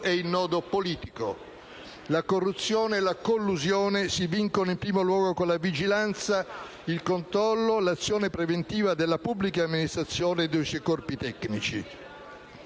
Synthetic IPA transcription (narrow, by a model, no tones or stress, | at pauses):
ɛinːɔːd̪opoliːt̪iko | lakorːut̪sːjoːneːlakolːuzjoːnesiviŋkonoimpɾiːmolwɔːɡokolavid͡ʒilant̪sa | ilkont̪ɾɔlːolat̪sːjoːnepɾevent̪iːvad̪elːapubːlikaːmːinist̪ɾat̪sːjoːned̪usejkɔrpit̪ɛkːnit͡ʃḭ